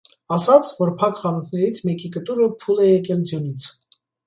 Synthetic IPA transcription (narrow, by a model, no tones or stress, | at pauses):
ɑsɑt͡sʰvɔɾpʰɑkχɑnut̪ʰnɛɾit͡sʰmɛkikət̪uɾəpʰulɛjɛkɛld͡zjɔnit͡sʰ